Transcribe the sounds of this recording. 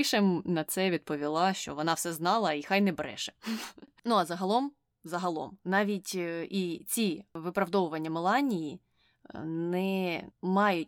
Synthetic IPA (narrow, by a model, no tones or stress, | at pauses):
ʃemnɐt̪sɛʋʲid̪̚pɔʋʲilˠɑʃt͡ʃɔ̰ʋɔnɑwsɛznɑlˠɐixɑjnɛbɛɾɛ̰ʃɛ̥nuɐzɐɦɐlˠɔm | zɐɦɐlˠɔ̰mnɑʋʲitʲit͡sʲiʋɪpɾɐwd̪ɔʋʊʋɐnʲːɐmelˠɑnʲiji | nɛmɑjʊt̚ʲ